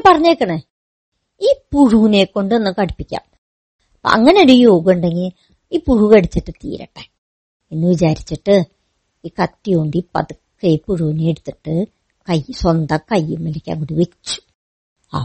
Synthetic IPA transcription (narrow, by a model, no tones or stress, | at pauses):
pɐrɐɲːekːɐɳe | iːpuɻuːneːkːo̞ɳɖɨenːɨkɐɽipːikʲːa̰ːm | ɐpːo̰ʔɐ̰ŋːɐneoɾujo̞ːɡɳɖeŋɡil | iːpuɻuɣeɽit͡ɕːiʈːɨt̪ḭːɾɐ̰ʈːe | enːɨʋit͡ɕaːɾit͡ɕːiʈːɨ | iːkɐtːijoɳɖipɐ̰ðɨkːɨipuɻuːneeɽut̪ːiʈːɨ | kɐjswɐnd̪ɐkɐjːumilɐkʲːa̰ːŋkuɽuʋet͡ɕːu̥ | a̰ː